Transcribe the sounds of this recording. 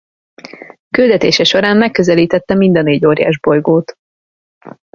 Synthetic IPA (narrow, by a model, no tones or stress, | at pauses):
kyld̪ɛt̪eːʃɛʃo̞ɾaːnmɛkːøzɛliːt̪ɛt̪ːɛmind̪ɒneːɟoːɾja̰ːʒbo̞jɡoːt̪